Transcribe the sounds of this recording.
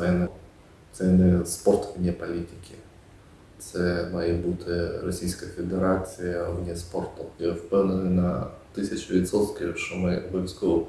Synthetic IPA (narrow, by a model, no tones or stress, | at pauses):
ɛɛnɛ | t̪sɛnɛspɔrt̪ʋnʲɛpɐlʲitʲɪ̥kʲɪ | t̪sɛmɑjɛbut̪ʰɪrɔsʲijsʲkɐfʲed̪eɾat͡sʲijɐwnʲɛspɔrt̪ʊɛwpɛwnenɪnɐt̪ɪsʲɐt͡ʃʊʋʲit̪sɔt̪kʲɪʃɔmɪɔbɔʋʲisʲkɔɔ